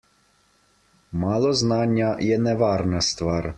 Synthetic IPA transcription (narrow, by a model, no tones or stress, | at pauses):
malˠɔznaɲʲjajɛnɛʋarnast̪ʋaɾ